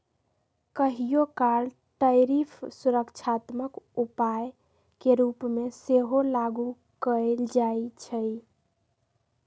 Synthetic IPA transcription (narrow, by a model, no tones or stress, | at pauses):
kəɦijokal | ʈəjɾipʰsuɾəkt͡ʃʰat̪məkupaj | keɾupmeseɦolaɡu | kəld͡ʒajt͡ʃʰəj